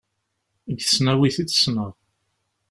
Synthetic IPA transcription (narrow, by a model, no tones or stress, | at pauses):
ɡθə̥snæwiθit͡sːsnəðˤ